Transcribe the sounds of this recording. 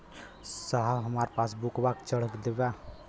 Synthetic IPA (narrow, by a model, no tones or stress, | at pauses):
səɦaɦəmaɾpasbukbakt͡ʃəɽ̤əkd̪eba